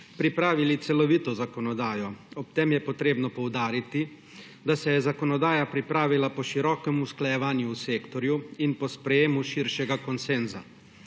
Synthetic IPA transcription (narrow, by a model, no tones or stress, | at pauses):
pɾipɾaːʋilit̪sɛlɔʋiːt̪ɔzakɔnɔd̪aːjɔɔp̚t̪emjɛpɔt̪ɾeːbnɔpɔwd̪aːɾit̪i | d̪asɛjɛzakɔnɔd̪aːjapɾipɾaːʋilapɔʃiɾɔːkɛmusklajɛʋaːnjuːseːkt̪ɔɾjuinpɔspɾɛjeːmuʃiɾʃɛɡakɔnsenza̰